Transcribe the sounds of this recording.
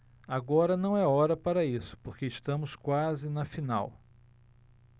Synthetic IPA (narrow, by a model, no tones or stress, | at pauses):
aɡɔɾɐnɐ̃w̃ɛɔɾɐpaɾɐisʊ̥poɾkeɪst̪ɐ̃mʊskwazɪnɐfina̰w